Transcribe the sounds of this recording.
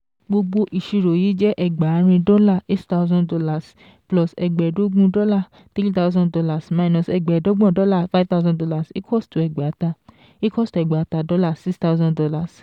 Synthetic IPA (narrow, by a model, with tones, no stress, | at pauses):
ɡ͡bo˧ɡ͡bo˧ʔi˨ʃi˧ɾo˨jiː˨˦d͡ʒɛ˦ʔɛ˦˨ɡ͡ba˨˦ɾ̃ĩ˧dɔ˦la˦˨e˦tta˧ʊzɔ̃˦ndɔ˧la˨s | plɔ˨sɛ˨ɡ͡bɛ˨do˨˦ɡ͡bũ˦dɔ˦la˦˨ | t̪e˦ɾi˦ta˦wzɔ̃˦ndɔ˧la˨sma˧˨i˧nɔ̃˧˨sɛ˧˨ɡ͡bɛ˨do˦ɡ͡bɔ̃˦˨dɔ˦la˦˨fa˦t̪a˦zɔ̃˦dɔ˧˦la˦˨si˦kʰɔ˦stu˨ɛ˨ɡ͡ba˨˦ta˧ | i˦kɔ˦˨stu˨ɛ˨ɡ͡ba˨˦ta˧dɔ˦la˦˨si˦ksta˦u˦zɔ̃˦dɔ˧la˦˨s